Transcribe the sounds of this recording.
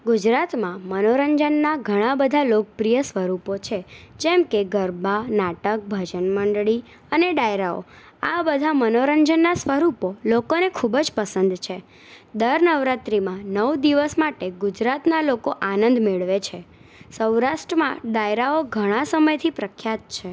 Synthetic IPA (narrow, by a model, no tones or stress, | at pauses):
ɡud͡ʒɾat̪mãmənoɾəɲd͡ʒənːaɡʱəɽ̃ãbəd̪ʱalok̚əpɾijəsʋəɾupot͡ʃʰed͡ʒɛmkeɡəɾbanaʈək̚bʱəd͡ʒənməɳɖɭi | əneɖajɾao̰ | abəd̪ʱamənoɾəɲd͡ʒənːasʋəɾupolokonekʰubd͡ʒpəsə̃nd̪t͡ʃʰe | d̪əɾnəʋɾat̪ɾimãnəʋd̪iʋəsmaʈeɡud͡ʒɾat̪nalokoʔanə̃nd̪meɭʋet͡ʃʰe | səwɾaʃʈɾəmãɖajɾaoɡʱəɽ̃ãsəməjt̪ʰipɾəkʰjat̪̚t͡ʃʰe